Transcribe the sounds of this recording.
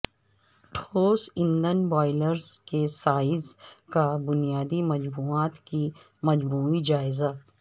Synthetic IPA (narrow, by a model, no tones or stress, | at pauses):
ʈʰoːsɪ̃nd̪ənbɔːɪləɾzkesaːɪzkabʊnijaːd̪imɐd͡ʒmuːaːt̪ki | mɐd͡ʒmuːid͡ʒaːɪza